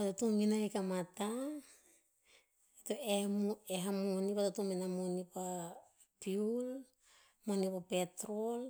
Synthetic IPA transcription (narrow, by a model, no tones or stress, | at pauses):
patotuminajkamata | etoemeɦamonipatotuminamonipa | piul | monipape̞tɾol